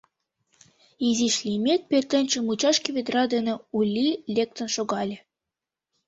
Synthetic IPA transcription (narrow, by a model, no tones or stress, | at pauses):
iziʃlʲimʲek̚pʲert̪ɘ̆nʲt͡ɕɘ̆mut͡ɕɑʃkĕβʲed̪rɑd̪ɘ̆nĕulʲːilʲek̚t̪ə̆nʃoɣɑlʲĕ